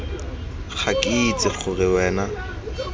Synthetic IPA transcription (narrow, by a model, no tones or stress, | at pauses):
χʰakʼɪit͡sʼɪχʊrɪwɛːna